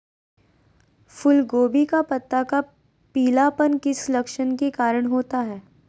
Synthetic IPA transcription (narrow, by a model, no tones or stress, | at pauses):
fʊlɡoːbikapɐt̪ːaka | piːlapənkɪslɐkʃənkekaːɾəɽ̃ɦoːt̪aɦɛː